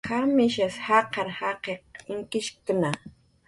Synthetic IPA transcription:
kamɪʃashɑqɑɾhɑqeq̚ɪŋkɪʃkʊna

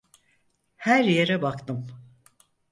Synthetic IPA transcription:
hæɾjeɾɛbakt̪ɯm

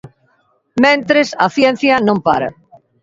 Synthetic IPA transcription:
mẽnt̪ɾɪsɐθjɛn̟θjɐnõmpa̰ɾɐ̰

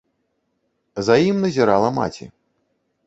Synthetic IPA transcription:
zajimnɐzʲiɾalˠɐma̰t͡sʲḭ

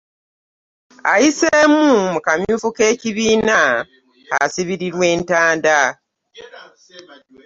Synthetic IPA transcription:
a̰jiseːmumukamjuːfuke̞ːciβiːna | a̰siβiɾiɾwe̞ːntaːnda

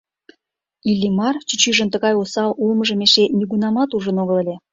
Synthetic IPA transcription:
ilʲːimɑrt͡ɕyt͡ɕyʒə̆nt̪əɣɑjosɑlʔulməʒə̆meʃenʲiɣunɑmɑt̪uʒə̆noɣə̆lelʲe

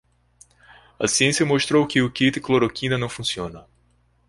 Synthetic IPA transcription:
ɐ̰siẽsjɐmoʃt̪ɾowkɪʊkit̪ɪkloɾokĩnɐnɐ̃w̃fũsiõnɐ

